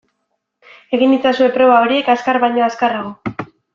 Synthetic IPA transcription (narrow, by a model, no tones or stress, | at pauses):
e̞ɣinit͡sasue̞pɾo̞β̞ao̞ɾie̞kaskaɾβajɲo̞askaraɣo